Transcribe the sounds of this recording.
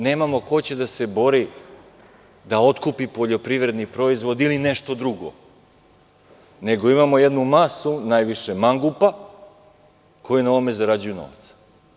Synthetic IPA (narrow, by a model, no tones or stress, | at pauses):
ne̞ːmamo̞ko̞t͡ɕe̞d̪ase̞bo̞ɾi | d̪ao̞t̪kupipo̞ʎo̞pɾiʋɾe̞d̪nipɾo̞izʋo̞d̪ilineʃt̪o̞d̪ɾuɡo̞̰ | ne̞ɡo̞imamo̞jed̪numasunajʋiʃemaŋɡupa | kʰo̞jinaoome̞zaɾad͡ʑujuno̰ʋat̪sḁ